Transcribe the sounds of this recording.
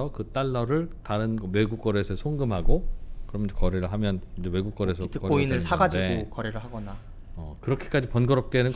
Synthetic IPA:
ʌkɯt͈aɭːʌɾɯɭtaɾɯnɡʌwe̞ɡuk̚k͈ʌɾesʰʌsʰoŋɡɯmɦaɡokɯɾʌmjʌnsʰʌkʌɾeɾɯɭɦamjʌnid͡ʑewe̞ɡuk͈̚ʌɾesʰʌɯkʌoinɯɭsʰaɡad͡ʑiekʌɾeɾɯɭɦaɡʌna | ʌkɯɾʌkʰe̥k͈ad͡ʑipʌnɡʌɾʌp̚k͈e̞nɯn

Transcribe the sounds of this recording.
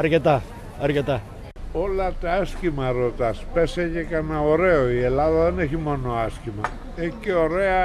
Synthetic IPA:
ɐɾcet̪ɐ | ɐɾcet̪ɐ | olɐt̪aaskimaɾot̪aspeseʝekanaoɾeoielaðɐðeneçimo̞noaskimɐ | eceo̞ɾea

